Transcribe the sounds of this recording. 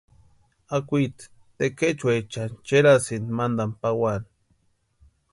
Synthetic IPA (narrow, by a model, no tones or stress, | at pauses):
akʷit̪ | t̪eket͡ʃwet͡ʃant͡ʃeɾasinmand̪ampawan